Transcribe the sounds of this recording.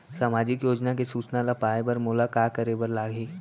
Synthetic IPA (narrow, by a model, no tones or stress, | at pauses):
saːmaːd͡ʒɪkjoːd͡ʒnakesuːt͡ʃnalapaːebɐɾmʊlakaːkəɾebəɾlaːɡeː